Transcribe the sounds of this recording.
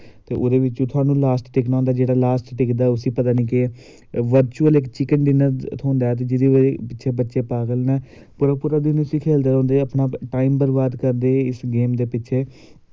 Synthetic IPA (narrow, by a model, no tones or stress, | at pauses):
t̪eːʔoːd̪eːʋɪt͡ʃõːt̪ʰʊaːnũːlaːsʈʈɪknaːnd̪aːd͡ʒeːɽaːlaːsʈʈɪkd̪aːʊsĩːpət̪aːnĩːkɪ | ʋəɾt͡ʃuːəlɪkt͡ʃɪkənɖɪnət̪ʰoːnd̪aːt̪̬eːd͡ʒɪd̪eːpɪtːʃʰeːbətːʃeːpaːɡəlnɛː | pʊɾaːpʊɾaːd̪inʊsiːkʰeːld̪aːɾõːnd̪eəpnaːʈaːimbəɾbaːd̪kəɾd̪eːɪsɡeːmd̪eːpɪtːʃʰeː